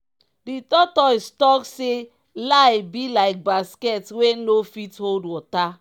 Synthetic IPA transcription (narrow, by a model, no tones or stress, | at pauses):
ditɔtɔistɔkse | lajbilaɪk̚baskɛtwenofitholdwɔta